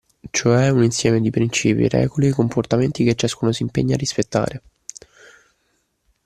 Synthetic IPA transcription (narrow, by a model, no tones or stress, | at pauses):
t͡ʃoɛuninsjɛːmed̪ipɾint͡ʃiːpjḭɾɛ̰ːɡoliekomport̪ament̪ik̟et͡ʃːaskuːnosimpeɲːarːispet̪ːa̰ːɾe